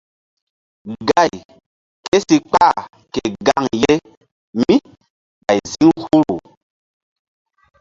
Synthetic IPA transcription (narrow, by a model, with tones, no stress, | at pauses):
ɡa˦˨j | ke˦si˨k͡pa˦˨ | ke˨ɡa˦˨ŋje˦ | mĩ˦ | ɓa˨jzi˦ŋhu˦ɾu˨